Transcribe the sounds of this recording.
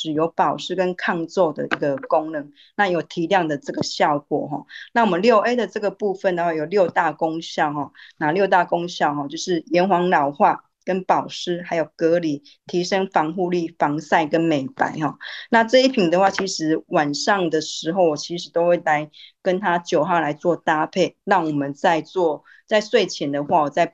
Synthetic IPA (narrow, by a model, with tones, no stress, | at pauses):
ʂɻ̩˨˩jo˧˥ʊpɑ˨˩ʊʂɻ̩˥kə˦nkʰɑ˥˧ŋt͡swɔ˥˩d̪ə̰˨ʔi˧˩ɡə˨ko˥ŋnɤ˨˦ŋ | na˥˩jo˨˩ʊt̪ʰi˧˥ljɑ˥˩ŋd̪ə˨ʈ͡ʂɤ˥˩ɡə˩ɕjɑ˥˨˩ʊkwɔ̰˨˩ɦɔ̰˨˩na˥˩wɔ˨˩mə˨˦nljo˥˩ʊʔe˥d̪ə˨ʈ͡ʂɤ˥˩ɡə˩pu˥˧fə˨nd̪ə˩xwa˥˩jo˨˩ʊljo˥˧ʊt̪a˥˩ko˥ŋɕjɑ˥˨ʊɦɔ˥˩na˨˩ljo˥˧ʊt̪a˥˩ko˥ŋɕjɑ˥˨ʊɦɔ˨˩t͡ɕjo˥˧ʊʂɻ̩˥˩jɛ˧˥nxwɑ˧˥ŋlɑ˨˩ʊxwa˥˩ | kə˦˥npɑ˨˩ʊʂɻ̩˥ha˧˥ɪjo˨˩ʊkɤ˧˥li˨˩ | t̪ʰi˧˥ʂə˥ŋfɑ˧˥ŋxu˥˧li˥˩fɑ˧˦ŋsa˥˧˩ɪkə˦nme˨˩ɪpa̰˨˧˦ɪɦɔ˥˨na˥˧ʈ͡ʂɤ˥˧i˥˩pʰi˨˩nd̪ə˨xwa˥˩t͡ɕʰi˧˥ʂɻ̩˧˥wa˨˩nʂɑ˥˩ŋd̪ə˨ʂɻ̩˧˥xo˥˩ʊwɔ˨˩t͡ɕʰi˧˥ʂɻ̩˧˥t̪o˥ʊxwe˥˩ɪla˧˦ɪkə˦nt̪ʰa˥t͡ɕjo˨˩ʊɦɑ˥˩ʊla˧˥ɪt͡swɔ˥˨˩t̪a˥pʰe˥˩ɪɻɑ˥˩ŋwɔ˨˩mə˨nt͡sa˥˧ɪt͡swɔ˥˨ | t͡sa˥˧ɪswe˥˩ɪt͡ɕʰjɛ˨˩nd̪ə˨xwa˥˩wɔ˨˩t͡sa˥˩ɪ